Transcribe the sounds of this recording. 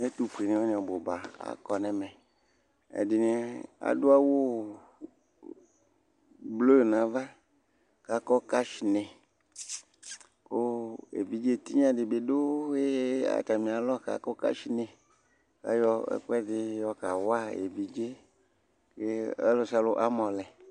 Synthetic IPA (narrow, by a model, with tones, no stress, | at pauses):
e˦t̪u˦ɸi˨nẽ˨wɔ˦ɲ˨ɔ˨bo˨ba˨a̰˨kɔ˨nɛ˨mɛ̃˨ | ḛ˨di˨nẽ˨a̰˨du˦a˦wo˦ | blo˦˨nã˨va˦ | ka˨kɔ˦ka˦ʃi˨nẽ˨ | ko˦ḛ˨vi˨d͡ʒe˦t̪i˦ɲ˦ã˦dɪ˨be˨do˦je˦a̰˨t̪a˨mĩ˨a˨lɔ˦˨ka̰˨kɔ˦ka̰˦ʃi˦ne˨ | a̰˦jɔ˦ɛ̰˦k͡pɛ˦dɪ˦jɔ˦ka˨wa˦ḛ˨vi˨d͡ʒe˦ | ke˦ḛ˦lo˦sa˦lo˦ʔa˦mɔ̃˨lɛ˨